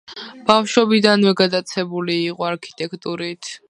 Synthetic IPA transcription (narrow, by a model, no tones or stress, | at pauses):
b̥afʃɔbid̪anwɛɡad̪at̪sʰɛbuliːqʼɔaɾkʰi̥t̪ʼɛkʰt̪ʼuɾit̪ʰ